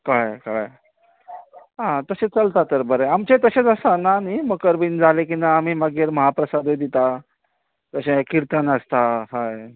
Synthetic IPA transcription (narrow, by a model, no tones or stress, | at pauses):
kajkaj | ɦãt̪əset͡səlt̪at̪əɾbəɾeamt͡ɕet̪əɕet͡səsananiməɡkəɾbiːnd͡zʱalek̬inʋaːm̤iːməɡiɾməɦapɾəsad̪ed̪it̪a | t̪əɕẽkiɾt̪ənəst̪aɦaj